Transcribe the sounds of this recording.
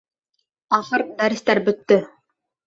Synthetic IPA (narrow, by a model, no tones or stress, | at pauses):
ɑχɤɾd̪æɾɘ̆st̪æɾbɵ̆t̪ːɵ